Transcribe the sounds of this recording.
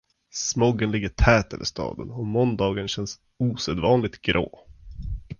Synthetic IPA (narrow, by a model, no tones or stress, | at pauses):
smɔɡənlɪɡːəʈʰɛːt̪ɛvə̰ʂt̪ɑ̰ːd̪ənɔmɔnd̪ɑːɡənɕɛns | uːsɛd̪vɑːnlɪt̪ɡɾʔo̰ː